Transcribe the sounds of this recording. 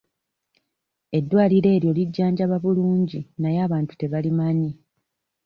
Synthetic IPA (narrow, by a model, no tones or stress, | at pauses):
e̞dːwaːliɾe̞ːɾjo̞liɟːaːɲɟaβaβuluːɲɟinajaːβaːntu̥te̞βalimaɲi